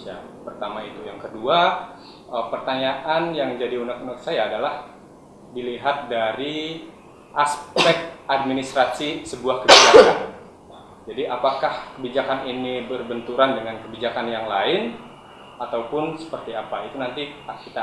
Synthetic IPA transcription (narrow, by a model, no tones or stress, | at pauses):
a̰ | pərt̪amait̪ujaŋkədua | əpərt̪aɲaʔanjaŋd͡ʒadiunak̪unak̪̚sajaːdalah | diliɦat̪̚daɾi | ʔaspɛk̚t̪̚ad̚minist̪ɾasisəbuahkəbid͡ʒakan | d͡ʒadiʔapakahkəbid͡ʒakaninibərbənt̪uɾandəŋankəbid͡ʒakanjaŋlaɪn | at̪awpʊnsə̥pərt̪iapait̪unant̪iakit̪a